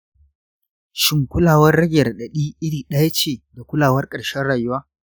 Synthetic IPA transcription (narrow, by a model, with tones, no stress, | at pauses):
ʃɪ˦ŋkʷʊ˦laː˨wɐ˦rɽɐ˦ɡʲɐ˨rɗɐ˨ɗiː˦ʔɪ˦ɽiː˨ɗɐ˦ja˦t͡ʃeː˨da˨kʷʊ˦laː˨wɐ˦rkʼɐ˨ɽʃɛ˦rɽaː˨jʊ˦waː˦